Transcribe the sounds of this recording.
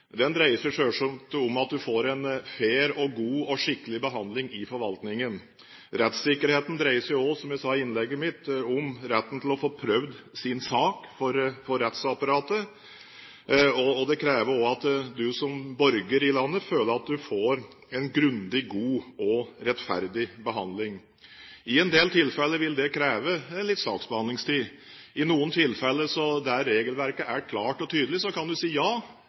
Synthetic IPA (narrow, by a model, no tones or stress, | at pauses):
d̪ɛnd̪ɾæɪəsjʊʂøːʂɔmt̪ɔmɑt̪̚d̪ʉfoːɾɛnfeːɾɔɡuːɔʂɪkːəlɪbəɦɑnd̪lɪŋɪfɔɾʋɑlt̪nɪŋən | ɾɛt̪sɪkːəɾheːt̪n̩d̪ɾæɪəsjʊɔsɔmjæɪsɑːɪnlɛɡːəmɪt̪ʊmɾɛt̪ːənt̪ʰɪlɔfoːpʰɾœʋd̪sɪnsɑːkfɔɾfɔɾːɛt̪sɑpɑɾɑːt̪ə | ɔːd̪ɛkʰɾeːʋəɾɔɑt̪d̪ʉsɔmbɔɾɡəɾɪlɑnːəføːləɾɑt̪̚d̪ʉfoːɾ | ɛnɡɾʉnd̪ɪɡuːɔɾɛt̪fæ̰ɾd̪ɪbəɦɑnd̪lɪŋ | ɪɛnd̪eːlt̪ʰɪlfɛlːəʋɪld̪ɛkʰɾeːʋəlɪt̪sɑ̰ːksbəhɑnd̪lɪŋst̪ʰiː | ɪnuːənt̪ʰɪlfɛlːəsɔd̪ææːeːɡəlʋæɾkəʔæɾkʰlɑːʈɔt̪ʰyːd̪əlɪsɔkɑnd̪ʉsiːjɑː